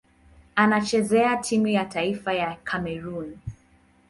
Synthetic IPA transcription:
anat͡ʃɛzɛatʰimujatʰaifajakʰamɛɾun

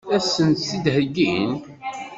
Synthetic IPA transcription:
æsənt̪θid̪həɡin

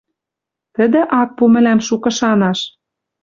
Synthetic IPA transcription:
t̪ə̆d̪ĕʔɑk̚pumɘ̆læmʃukɤ̆ʃɑnɑʃ

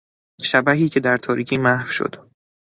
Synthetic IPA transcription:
ʃæbæɦiːcʰe̞d̪æɾt̪ʰɒːɾiːcʰiːmæhfʃo̰d̪̥

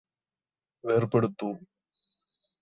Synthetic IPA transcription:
ʋeːɾpɐɽut̪ːu

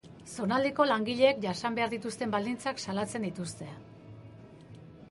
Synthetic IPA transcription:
so̞nald̪iko̞laŋɡiʎe̞ːkʝasambe̞aɾðit̪ust̪e̞mbald̪int͡saksalat͡se̞nd̪it̪ust̪e̞

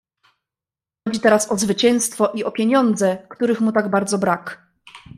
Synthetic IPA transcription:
ɔd͡ʑit̪ɛɾasɔzvɘt͡ɕɛ̃w̃st̪fɔʔiɔpʲjeɲɔnd̪zɛkt̪uɾɘxmut̪aɡbaɾd̪zɔbɾak

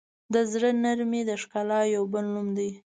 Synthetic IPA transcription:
d̪əzɽənaɾmed̪əʂkɑlɑjawbəlnumd̪i

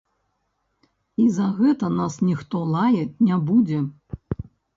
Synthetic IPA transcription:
izɐɣɛt̪ɐnasnʲixt̪ɔlˠajɛt͡sʲnʲabud͡zʲɛ

